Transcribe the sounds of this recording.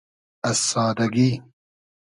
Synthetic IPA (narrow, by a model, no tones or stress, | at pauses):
ɐsːaːd̪ɐɡi